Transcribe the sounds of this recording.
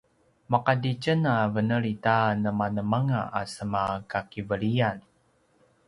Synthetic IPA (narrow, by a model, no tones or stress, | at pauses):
makadit͡ʃənavənəɭitanəmanəmaŋa̰ʔasəmakakivəɭian